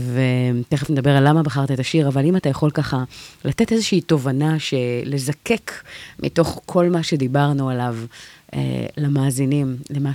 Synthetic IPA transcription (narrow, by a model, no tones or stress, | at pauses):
vet̪eχefned̪ɐbe̞ʁalːamabaχaʁt̪aet̪aʃiʁavalimat̪ajaχo̞lkaχalate̞te̞zeʃiːto̞vanaʃe̞le̞zake̞kmʔḭto̞χkʰo̞lmaʃe̞d̪ibaʁnualavḛlamaːzinimlema